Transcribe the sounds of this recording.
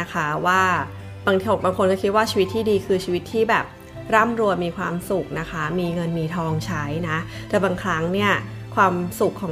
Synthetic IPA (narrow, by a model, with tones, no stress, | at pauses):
a˦˥kʰa˦˥waː˥˩ | baː˧ŋo˨˩baː˧ŋkʰo˧nkɔː˥˩kʰi˦˥t̪̚waː˥t͡ɕʰiː˧wi˦t̪ʰːiː˥˩diː˧kʰɯː˧t͡ɕʰiː˧wi˦˥t̪ʰːiː˥˩bɛː˨˩p̚ | ɾaː˥˩mɾu˧əmiː˧kʰwaː˧msu˨˩k̚na˦˥kʰa˦˥miː˧ŋɤ˧nmiː˧t̪ʰɔː˧ŋt͡ɕʰa˦˥jna˦˥ | t̪ɛː˨˩baː˧ŋkʰɾa˦˥ŋni˥˩ɐ | kʰwaː˧msu˨˩kʰːɔː˨˩˦